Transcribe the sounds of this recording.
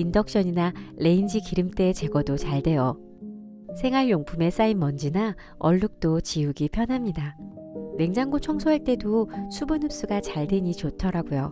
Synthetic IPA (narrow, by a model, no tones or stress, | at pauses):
indʌk̚ɕ͈ʌɲinale̞ind͡ʑikiɾɯmt͈e̞t͡ɕe̞ɡʌdot͡ɕaɭde̞jʌ | sʰeŋɦaɭjoŋpʰume̞s͈aimmʌnd͡ʑina | ʌ̰ɭːuk̚t͈ot͡ɕiuɡipʰjʌnɦamɲida | we̞ŋd͡ʑaŋɡot͡ɕʰʌŋsʰoeɭt͈e̞dosʰubɯnɯp̚s͈uɡat͡ɕaɭdweɲit͡ɕotʰʌɾaɡujo